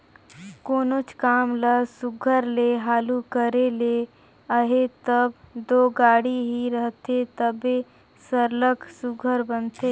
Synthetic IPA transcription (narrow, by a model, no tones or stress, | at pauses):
koːnot͡ʃkaːmləsʊɡʱəɾleɦaːlukəɾele | əɦet̪əbd̪oːɡaːɽiɦiɾəɦt̪et̪əbe | səɾləksʊɡʱəɾbənt̪eː